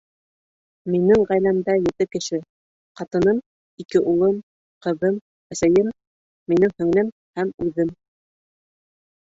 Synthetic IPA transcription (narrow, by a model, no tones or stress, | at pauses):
minɘŋʁæjlæmd̪æjɘ̆t̪ɘkɘ̆ʃɘ | qɑt̪ɤ̆nɤm | ikɘʔulˠɤm | qɤ̆ðɤm | æsæjɘmː | inɘŋhɵ̆ŋlɘm | hæmʉðɘm